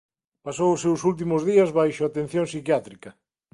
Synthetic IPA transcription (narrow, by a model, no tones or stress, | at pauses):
pasowʊsːewsult̪̬imʊzðiɐzβajʃʊat̪en̟θjõŋsikjat̪ɾikɐ